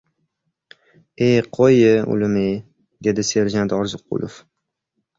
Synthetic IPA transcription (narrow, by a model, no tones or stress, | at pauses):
eqʰojɪʊ̰lɪme | d̪e̞d̪ɪse̞ɾd͡ʒant̪ɒɾzɨqːʊ̰lˠʔo̰f